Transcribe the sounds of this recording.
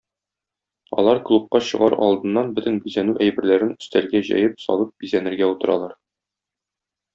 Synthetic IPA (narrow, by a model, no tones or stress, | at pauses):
ɒ̰lˠɑɾklˠup̚qɑɕɤ̆ʁɑɾɒ̰lˠd̪ɤ̆nːɑnbɵt̪ɘnbyzænʉʔæjbɘ̆ɾlæɾɘnɵ̥̆st̪ælɡæʑæ̰jɘpsɒ̰lˠɤp̚bizænɘ̆ɾɡæut̪ɤ̆ɾɑ̰lˠɑɾ